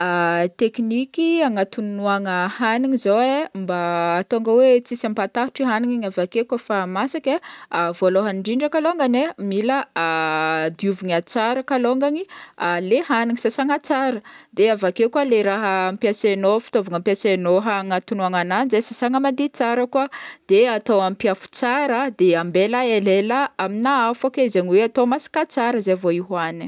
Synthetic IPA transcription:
at̪eknikiaŋat̪unuaŋəhaniŋizowembaːt̪oŋɡəwet͡sisampat̪aɦuʈ͡ʂiɦaniŋiŋavakekəfamasakʲaavoloɦanɳɖ͡ʐiɳɖ͡ʐəkaloŋɡanemiləad̪iuviɲat͡saɾəkaloŋɡaŋialehaniŋisasaŋat͡saɾəd̪eavakekaleɾaɦəːmpiasenofi̥t̪ovaŋampiasenoɦaŋat̪unuaŋananzesasaŋəmand̪it͡saɾəkuad̪̥eat̪oampiafu̥t͡saɾəd̪eambelaelelaaminaafokezeŋiweat̪omasi̥kat͡saɾəzevoiɦani

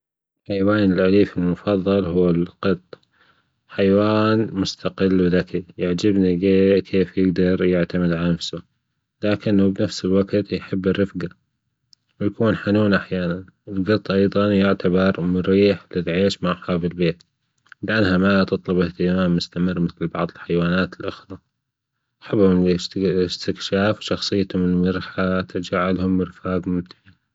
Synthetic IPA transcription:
ħajwaːnɪlʔaliːfɪlmʊfɑðˤːɑlɦʊːɪlqɨt̪ˤ | ħajwaːnmʊst̪aqɪlːwɪðakijaʕd͡ʒɪbniɡeːʔkʰeːfjɪɡd̪ɑɾˤjɪʕt̪amɪd̪ʕalnafsʊ | laːkɪnːubnafsɪlwaɡt̪jħɪbːɪrːɪfɡa | wjakuːnħanuːnʔaħjaːnanɪlɡɑt̪ˤːʔɑjðˤɑnjɪʕt̪ʰabɑɾˤmʊɾiːħlɪlʕeːʃmaʕħɑbɪlbeːt̪ | lɪʔanːhamat̪ɨt̪ˤlʊbɪht̪ɪd̪maːmmʊst̪amɪrːmɪθlbɑʕðˤɪlħajwaːnaːt̪ɪlʔʊxɾˤɑ | ʔħɪbːhʊm | st̪ɪkʃaːfwʃɑxsˤɨjːt̪ʊmɪnmɪɾħat̪ʰad͡ʒaʕːalhʊmːɪɾfaːɡmʊmt̪ɪ̥ʕa

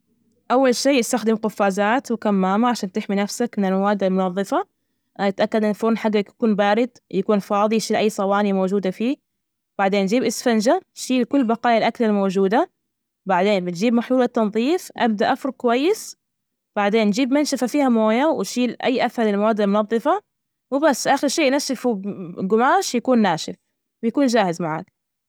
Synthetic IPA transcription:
ʔawːalʃiːjɪst̪axd̪ɪmqʊfːaːzaːt̪wkamːaːmaʕaʃaːnt̪ɪħminafsakmɪnɪlmawaːd̪almʊnɑðˤːɨfa | ɪt̪ʔakːad̪ʔɪnfʊɾnħaɡːakḁkuːnbaːɾɪd̪jakuːnfɑːðˤijʃiːlʔajːsˤɑwɑːnimowd͡ʒuːd̪afiː | b̥aʕd̪eːnːd͡ʒiːbʔɪsfand͡ʒaʃiːlkʊlːbɑqɑːjalʔaklalmowd͡ʒuːd̪a | baʕd̪eːnbɪt̪d͡ʒiːbmaħjuːlɪt̪ːɑnðˤiːfʔa̰b̚d̪aʔafɾˤʊkʊwajːɪs | b̥aʕd̪eːnːd͡ʒiːbmɪnʃafafiːhamoːjawɪʃiːlʔa̰jːʔaθhɑɾˤɪlmawaːd̪ːɪlmʊnɑðˤːɨfɑ | wɪbasːʔaxɪɾʃiːʔnaʃːɪfuɡʊmaːʃjakuːnːaːʃɪf | wɪjakuːnd͡ʒaːhɪzmaʕa̰ːk̚

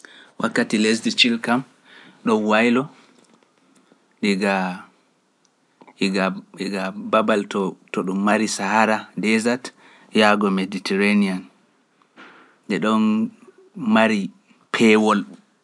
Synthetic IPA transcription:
wakːatilesdit͡ʃilkam | ɗɔnwajlɔ | ɗiɡa | iɡaiɡababaltɔtɔɗumːaɾisahaɾadɛzat | jaɡɔmeditɛɾanian | dɛɗɔn | maɾi | pʰɛwɔl

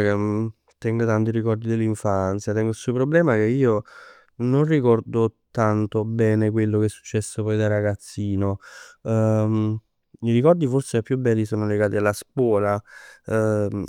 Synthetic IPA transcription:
ke | t̪ːɛŋɡot̪ant̪iɾikɔrd̪id̪elːiɱfant̪sjat̪ɛŋɡoilsupɾoblɛːmak̟eiːo | nonrikɔrd̪ot̪ant̪obɛːnekwelːokɛɛsːu̥t͡ʃːɛsːopɔjd̪arːaɡat̪sːiːno | miɾikɔrd̪iforseapːjubːɛːlːisoːnoleɡaːt̪ialːaskwɔːla

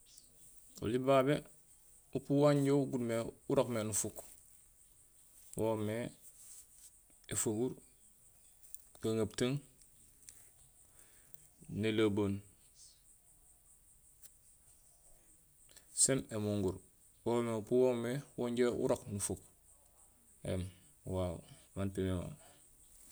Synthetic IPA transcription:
o̰libaːbe | upuwaɲɟoɡudmeuɾokmenufuk | wome | efuɡuɾ | kaŋab̚taŋ | nelaboːn | sememuŋɡuɾ | womepuwomewoɲɟeṵɾoknufuk | ḛm | wa | mantimema̰

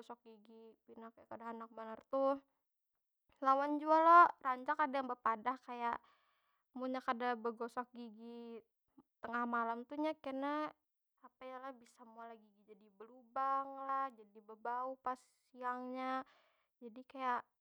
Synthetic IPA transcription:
ɔsɔk̚ɡiɡipinakajakadaɦanak̚bənərt̪uh | lawand͡ʒualɔraɲt͡ʃakadajaŋbəpadahkajaʔ | muɲakadabəɡɔsɔk̚ɡiɡi | t̪əŋahmalamt̪uɲakənaː | pajalahbisamalaɡiɡid͡ʒadibəlubaŋlahd͡ʒadibəbaupas | iaŋɲa | d͡ʒadikajaʔ

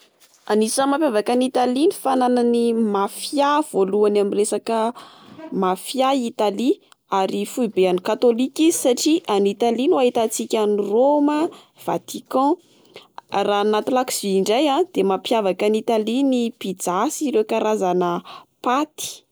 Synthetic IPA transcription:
anisəmapjavakanit̪alinifanananimafjav̥oluanamiresakə | mafjait̪ali | aɾifuibeanikat̪olikizisaʈ͡ʂiʔanit̪alinuaɦit̪at͡sikʲaniromə | v̥a̰t̪ikɑ̃ | ranat̪ulakziiɳɖ͡ʐajãd̪̥emapjavakanit̪alinipid͡zasiɾewkaɾazanəpat̪i̥

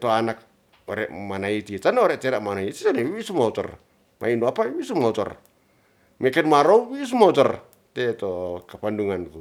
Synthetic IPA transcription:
toanak̚ | oɾḛmanaititanoɾeteɾamanaitisaneβisumato̰ɾ | mʔa̰inoapawisumato̰ɾ | mekenmaɾowwis̬umawtoɾ | tetokapanduŋanku

